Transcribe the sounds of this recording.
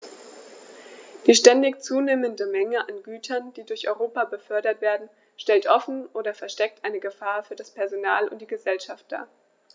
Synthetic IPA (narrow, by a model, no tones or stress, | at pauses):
d̥iːʃtɛndɪçt͡suːneːməndəmɛŋəʔanɡyːtʰɐnd̥iːdʊɐçʔɔ̰ʏʁoːpabəfœɐdɐtv̥eːɐdn̩ | ʃtɛltʔɔfn̩ʔoːdɐfɛɐʃtɛk̚tʔaɪnəɡəfaːɐfyːɐdaspɛɐzonaːlʊ̰nt̚d̥iːɡəzɛlʃaft̚d̥a̰ː